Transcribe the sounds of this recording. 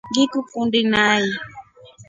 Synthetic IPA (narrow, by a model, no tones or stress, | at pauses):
ŋɡikukundinaji